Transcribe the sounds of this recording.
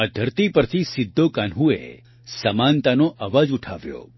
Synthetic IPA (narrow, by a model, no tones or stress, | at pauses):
əd̪ʱəɾt̪ipəɾt̪ʰisɪd̪ʱːokanɦuḛ | sɐmãnt̪anoʔaʋad͡ʒuʈʰaʋjo̰